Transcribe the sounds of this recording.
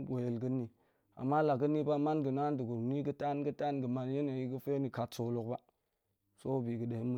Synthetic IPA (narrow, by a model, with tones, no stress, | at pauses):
ɡʷo˨je˨lɡə˦nːi˨ | a̰˨mːa˦la˨ɡə˦nːi˦ba˦ma˦nɡə˨na˦ndu˨ɡu˨ɾni˦ɡə˦ta˦nɡə˦ta˦nɡə˨ma˨nje˦no˨ji˦ɡə˦fe˦ni˨ka˨tso˨lo˨k̚ba˦ | so˦bi˨ɡə˨de˨hi˦mu˦